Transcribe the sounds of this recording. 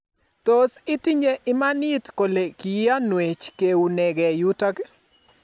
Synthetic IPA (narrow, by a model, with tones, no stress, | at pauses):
t̪o˦sɪ˦ti˦ɲe˦ʔɪ˦ma˦nɪ˦tko˨le˨ki˨jɪ˦a˦nwe˨t͡ʃke˨u˨ne˨ɡɛ˨ju˦ta˦ɡe˦